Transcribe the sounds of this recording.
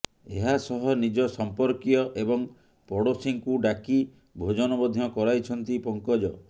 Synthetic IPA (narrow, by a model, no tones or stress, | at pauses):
eɦasɔɦɔnid͡ʒɔsɔmpɔɾkjɔʔebɔŋ | pɔɽosiŋkuɖaki | bʱod͡ʒɔnɔbɔd̪ʱiɔkɔɾajt͡ʃʰɔnt̪ipɔŋkɔd͡ʒɔ